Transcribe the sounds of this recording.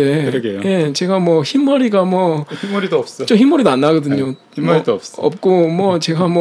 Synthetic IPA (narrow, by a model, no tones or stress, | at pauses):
eɾɡeje̞t͡ɕe̞ɡamwʌçimːʌɾiɡamwʌimːuɾid̪oʌps͈t͡ɕomçimːʌɾidanːaɡʌdɯɲo | imʌɾidoʌp̚sʌp̚k͈omwʌt͡ɕe̞ɡamwʌ